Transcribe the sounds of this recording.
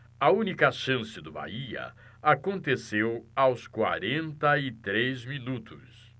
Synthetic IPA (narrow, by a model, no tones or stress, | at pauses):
ɐũnikɐʃɐ̃sɪd̪ʊba̰iɐ̰ | akõnt̪esewawskwa̰ɾẽnt̪ɐit̪ɾejzminut̪ʰʊs